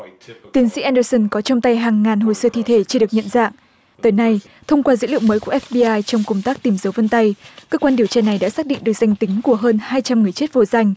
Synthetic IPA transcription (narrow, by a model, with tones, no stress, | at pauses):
t̪i˨˦ənsḭ˧˥ʔɛ˧nɗəː˧sə˧˩nkɔ˨˦t͡ɕə˧wŋ͡mt̪a˧jɦaː˨˩ŋːaː˨˩nɦo̰˧˨jsəː˧t̪ʰi˧t̪ʰe˧˩t͡ɕɨ˧ɨ˨˩ək̚ɲə̰˧˨nza̰ː˧˨ŋ | t̪əː˨˦jna˧j | t̪ʰə˧wŋ͡mkwaː˧zə̰˧˥lḭ˧˨əwməː˨˦jku˧˩ʔɛ˦˥fɓi˧ʔaː˧jt͡ɕɔ˧wŋ͡mkə˧wŋ͡mt̪aː˦˥k̚t̪i˨˧˩mzə˨˦wvə˧nt̪a˧jkəː˧kwaː˧ɗi˧˩əwt͡ɕaː˧na˨˩jɗa̰ː˧˥saː˦˥k̚ɗḭ˧˨ɗək̚za˧jŋt̪ï˨˦ŋ̟ku˧˩əɦəː˧nhaː˧jt͡ɕa˧mŋɨ˨˩əjt͡ɕe˦˥t̚vo˨˧˩za˧jŋ̟